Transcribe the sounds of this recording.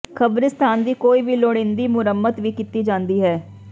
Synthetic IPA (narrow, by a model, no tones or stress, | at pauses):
kʰəbɾɪst̪ʰaːnd̪iːkoːiːʋiːloːɽẽːnd̪iːmʊɾəmːət̪ʋiːkɪt̪iːd͡ʒãːnd̪iːɦɛː